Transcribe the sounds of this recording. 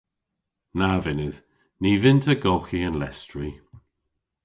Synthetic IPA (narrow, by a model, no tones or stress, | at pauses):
navɪnɪð̥ | niːvɪntʰəɡɔlˠxiənlɛstɹi